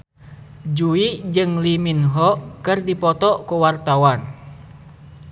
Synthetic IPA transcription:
d͡ʒuid͡ʒɨŋliminɦɔkɨrdipɔt̪ɔkuwart̪awan

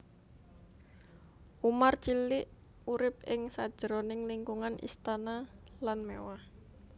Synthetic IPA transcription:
ʔumart͡ʃilɪʔ | uɾɪp̚ɪŋsad̥ʒ̥əɾonɪŋliŋkuŋanʔḭst̪analanmewah

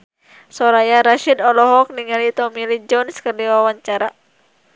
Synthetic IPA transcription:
sɔɾajaɾaʃid̪ɔlɔɦɔk̚niŋalit̪ɔmilid͡ʒɔnskərdiwawaɲt͡ʃaɾa

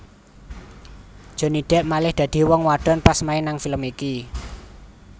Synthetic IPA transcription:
d̥ʒ̥ɔ̤niɖ̪̥ɛ̤ʔmalɪhd̪̥ä̤d̪̥i̤wɔŋwaɖ̪̥ɔ̤npasmainaŋfiləmiki

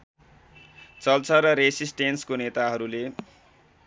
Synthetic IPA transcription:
t͡sʌlt͡sʰʌɾʌɾesisʈenskonet̪aɦʌɾule

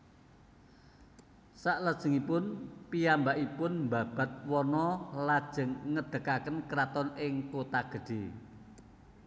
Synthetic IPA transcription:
saʔləd̥ʒ̥ə̤ŋipʊnpijambaʔipʊnmba̤b̥a̤t̪̚wɔnɔlad̥ʒ̥ə̤ŋːəd̪̥ə̤kakənkɾat̪ɔnɪŋkot̪aɡ̥ə̤ɖ̥e

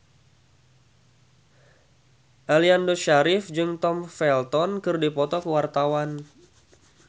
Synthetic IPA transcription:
ʔaliandoʃaɾɪfd͡ʒɨŋt̪ɔmfɛlt̪ɔnkɨrdipɔt̪ɔkəwart̪awan

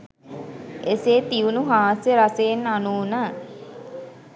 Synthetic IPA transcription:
eseːt̪iunuɦaːsjəɾaseːnanuːnə

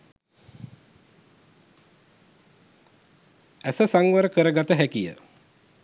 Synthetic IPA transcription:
æsəsaŋʋəɾəkəɾəɡat̪əɦækijə̰

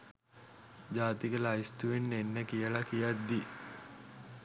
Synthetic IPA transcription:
d͡ʒaːt̪ikəlajst̪uʋenːenːəkijəlakijat̪d̪i

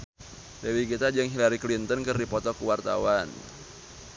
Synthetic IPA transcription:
dewikit̪ad͡ʒɨŋɦilaɾiklint̪ɔnkɨrdipɔt̪ɔkuwart̪a̰wan

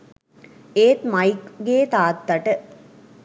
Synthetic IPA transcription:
eːt̪mɐjkɡeːt̪aːt̪ːɐʈɨ

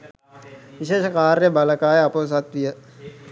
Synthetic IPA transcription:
ʋiʃeːʃəkaːɾjəbɐləkaːeɐpoːs̬ɐt̪ʋijə

